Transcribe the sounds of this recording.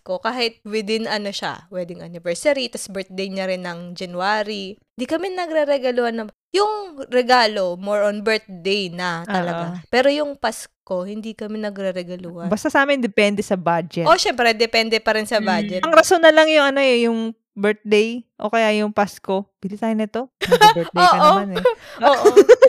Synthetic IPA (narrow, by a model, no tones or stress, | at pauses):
kokaːhɪt̪̚wɪd̪ɪnɐno̞ʃa̰wɛd̪ɪŋʔɐ̰nɪvɛɹsɐɾit̪ɐsbɛɹt̪̚d̪ejɲɐɾɪnːɐŋd͡ʒɐnuaːɾi | nd̪ikɐmɛnɐɡɾɛɾɛɡɐlʊhɐnɐ | jʊŋɾɛɡaːlomoɹʔonbɛɹt̪̚d̪ejnɐt̪ɐlɐɡapɛːɾo̞jʊŋpasko̞hɪnd̪ikɐmɛnɐɡɾɛɾɛɡɐlʊhɐbɐst̪ɐsaːmɪnd̪ɛpɛnd̪ɛsɐbad͡ʒɛtʔoʃɛmpɾɛd̪ɛpɛnd̪ɛpɐɾɪnsɐbad͡ʒɛt̪ʔɐŋɾɐsonːɐlɐŋjʊŋʔɐnojʊŋ | bɛɹt̪̚d̪ejʔo̰kɐjaʔjʊŋpasko̞b̥ɪlisaːjɪnɐɛt̪o̞bɛd̪ejoːɐʔoanɛoʔ